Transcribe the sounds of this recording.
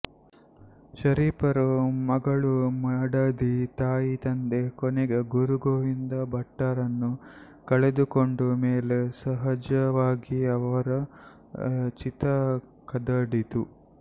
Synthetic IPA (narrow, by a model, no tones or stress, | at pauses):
ʃɐɾiːpɐɾumɐɡɐɭumɐɽɐd̪it̪aːjit̪ɐnd̪e̞kɔneɡeɡuɾuɡoːʋind̪ɐbɐʈːɐɾɐnːu | kɐɭed̪ukoɳɖumeːlesɐɦɐd͡ʒɐʋaːɡiɐʋɐɾɐ | t͡ʃit̪ɐ | kɐd̪ɐɽit̪u